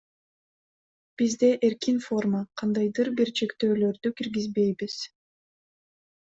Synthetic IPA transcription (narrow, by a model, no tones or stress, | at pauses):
b̥izd̪e̞ʔeɾkinfo̞rmaqʰɑnd̪ɑjd̪ɯɾbiɾt͡ʃʰe̞kt̪ø̞ːlø̞ɾd̪ykiɾɡizbe̞jbiz̥